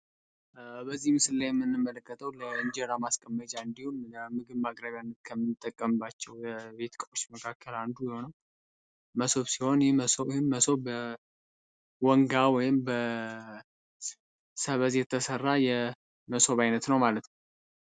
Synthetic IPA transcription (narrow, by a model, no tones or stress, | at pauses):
bəzːihmɨsɨlːajɛmːɨnːɨmːələkːət̪ʰʼəwləɨɲd͡ʒeɾamaskʼəmːət͡ʃʼaɨnd̪ihunəmɨɡɨβmakʼɾəβjanːət̪̚kʰəmːɨnt̪ʼːəkʼːəmbat͡ʃːɛwjɛbe̞t̪kʼəfo̞t͡ʃːməkʰakʰːəland̪ujɪho̞nəw | məso̞βsiho̞njməsohɪmːəso̞bə | wɔŋɡawɔjɪmbə | səβəzjɛt̪ʰːəsərːajɛ | məso̞βajnət̪nəwmalət̪nəw